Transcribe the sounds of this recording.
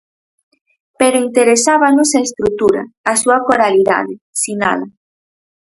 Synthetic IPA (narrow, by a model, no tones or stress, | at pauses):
peɾoint̪eɾesaβanosaest̪ɾut̪uɾa̰ːsuakoɾaliða̰ðe | sina̰la